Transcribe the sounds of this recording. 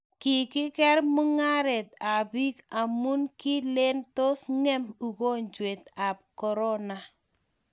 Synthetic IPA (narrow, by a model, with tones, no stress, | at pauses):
ki˨kɪ˦kɛ˦ɾmu˦ŋa˦ɾɛ˨t̚a˨bi˦ka˨mu˦nki˦le˦nto˦sŋɛ˦mu˨ko˦ɲd͡ʒwe˨t̚a˨p̚kɔ˨ɾɔ˦na˨